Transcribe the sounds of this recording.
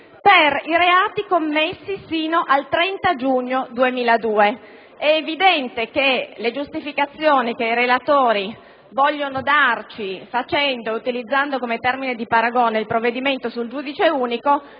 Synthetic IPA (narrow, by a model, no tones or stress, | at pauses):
periɾeaːt̪ikomːesːisiːnoʔalt̪ɾɛnt̪ad͡ʒuɲːod̪uemiːlad̪uːe | ɛːvid̪ɛnt̪ekeled͡ʒust̪ifikat̪sːjoːnik̟eiɾelat̪oːɾi | vɔʎːonod̪art͡ʃifat͡ʃɛnd̪oeut̪ilid̪zːand̪okomet̪ɛrmined̪ipaɾaɡoneilpɾovːed̪iment̪osuld͡ʒuːd̪it͡ʃeuːniko